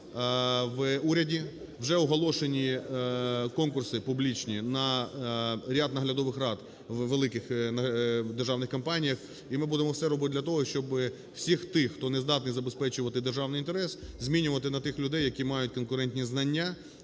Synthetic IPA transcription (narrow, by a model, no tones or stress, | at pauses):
ʋuɾʲɐdʲi | wʒɛɔɦɔlˠɔʃenʲi | kɔnkʊrsɪpublʲit͡ʃnʲinɐ | ɾʲad̪nɐɦlʲɐd̪ɔʋɪxrɑd̪ | ʋʋelˠɪkɪxnɐd̪erʒɑwnɪxkɐmpɑnʲijɐx | imɪbud̪emɔwsɛɾɔbɪt̪ɪd̪ʲlʲɐt̪ɔɦɔʃt͡ʃɔbɪ | w̥sʲixt̪ɪxt̪ɔnezd̪ɑt̪nɨjzɐbespɛt͡ʃʊʋɐt̪ɪd̪erʒɑwnɪjint̪eɾɛszʲmʲinʲʊʋɐt̪ɪnɐt̪ɪxlʲʊd̪ɛjːɐkʲimɑjʊtʲkɔnkʊɾɛnʲtʲnʲiznɐnʲːa